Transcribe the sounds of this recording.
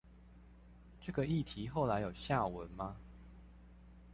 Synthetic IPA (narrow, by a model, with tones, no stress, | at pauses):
ʈ͡ʂɤ˥˨ɡə˨˩i˥˨t̪ʰi˨˦xo˥˨ʊla˨˦ɪjo˨˩ʊɕja˥˨wə˨˦nma˦